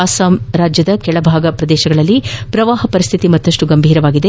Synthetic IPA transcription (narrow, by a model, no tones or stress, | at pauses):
asaːmɾaːd͡ʒjɐd̪ɐkɛɭɐbʱaːɡɐpɾɐd̪ɛːʃɐɡɐɭɐlːipɾɐʋaːɦɐpɐɾist̪ʰit̪imɐt̪ːɐʂʈuɡɐmbʱiːɾɐʋaːɡid̪e